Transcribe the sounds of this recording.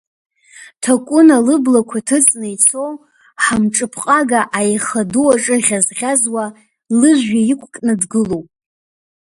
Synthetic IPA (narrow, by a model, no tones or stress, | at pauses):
tʰakʷʼʊnalɨblakʷʰatʰɨt͡sʼnɨit͡sʰow | ħamʈ͡ʂʼɨpʰqʼaɡaʔajχaduwaʈ͡ʂʼɨʁʲazʁʲazwa | lɨʒʷaikʷʰʼkʼnɨdɡɨlowpʼ